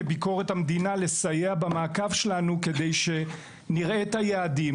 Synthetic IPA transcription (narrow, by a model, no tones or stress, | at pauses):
biko̞ʁe̞thamd̪inale̞sajeabamaːkavʃelanuke̞d̪ejʃe̞ | niʁet̪hajaːdi